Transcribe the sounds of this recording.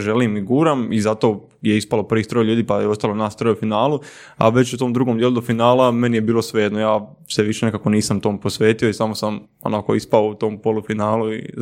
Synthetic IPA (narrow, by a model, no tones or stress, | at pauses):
ʒe̞liːmiɡuːɾamizat̪o̞ | jeispalo̞pr̩ʋiːst̪ɾojlʎuːd̪iːpajeo̞st̪alˠonaːst̪ɾojufinaːlu | a̰ʋe̞t͡ɕut̪o̞md̪ɾuːɡomd̪jelud̪ofinaːlˠame̞nijebiːlo̞sʋejed̪nojaː | seʋiʃenekaːko̞niːsamt̪o̞ːmpo̞sʋe̞ːt̪io̞isamo̞sam | o̰nako̞̰ispaout̪o̞ːmpo̞lufinaːluḭ